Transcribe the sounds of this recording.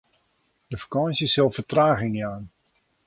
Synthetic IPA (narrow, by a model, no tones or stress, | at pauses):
d̥əfḁkɔnsjəsɪlˠfətraːɣɪŋaːn